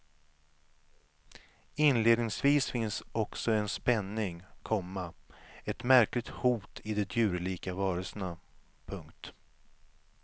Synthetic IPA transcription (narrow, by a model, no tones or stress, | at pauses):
ɪnleːd̪nɪŋsviːsfɪnsɔksɔɛnspɛnːɪŋkʰɔmːaɛt̪mæɾklɪɡ̚t̪huːt̪ʰɪd̪ɛd̪jʉ̟ːɾliːkavɑːɾəlsəna | pʰɵŋkt̪